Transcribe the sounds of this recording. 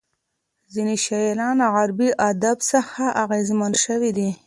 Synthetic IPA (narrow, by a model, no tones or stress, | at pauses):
ziniʃalɑnaɣaɾbiʔad̪absəxaʔaɣezmanʃəwid̪i